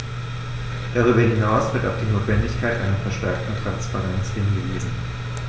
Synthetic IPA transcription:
d̥aʁ̞yːbɐɦɪnaʊsv̥ɪɐtaʊfd̥iːnoːtv̥ɛndɪçkʰaɪtʔa̰ɪnɐfɛɐʃtɛɐk̚tn̩tʁ̥anspaʁɛnt͡sʔɪnɡəveːzn̩

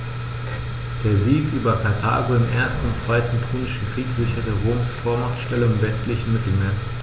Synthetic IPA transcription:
d̥eːɐziːkʔyːbɐkʰaɐtʰa̰ːɡoɪmʔḛːɐstn̩ʊntt͡sv̥aɪtn̩pʰuːnɪʃn̩kʁ̥iːkz̥ɪçɐdəʁoːmsfoːɐmaχtʃtɛləɪmvɛstlɪçn̩mɪtl̩meːɐ

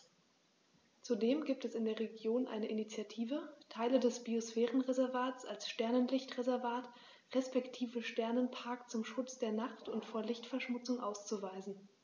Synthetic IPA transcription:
t͡sudeːmɡiːp̚tɛsɪndeːɐʁ̞eɡjoːnʔa̰ɪnəʔinit͡sjatʰiːvətʰaɪlədɛsb̥iosfɛːʁənʁezɛɐvaːtt͡salsʃtɛɐnənlɪçtʁezɛɐvaːt | ʁɛspɛktʰiːvəʃtɛɐnənpʰaɐkt͡sʊmʃʊt͡sd̥eːɐnaχtʊntfoːɐlɪçtfɛɐʃmʊt͡sʊŋʔaʊst͡suvaɪzn̩

